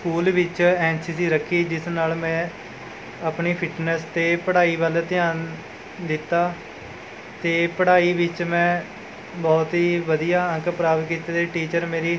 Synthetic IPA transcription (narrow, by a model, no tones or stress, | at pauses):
skuːlʋɪt͡ʃɛːnsiːsiːɾəkʰːiːd͡ʒɪsnaːlmɛ̃ː | aːpniːpʰɪʈnɛst̪eːpəɽaːiːʋəlt̪ɪaːn | d̪ɪt̪ːaː | t̪eːpəɽaːiːʋɪt͡ʃmɛ̃ː | bɔːt̪ɦiːʋəd̪ijaːə̃ŋkpɾaːʋkiːt̪aːd̪eːʈiːt͡ʃəɾmeːɾiː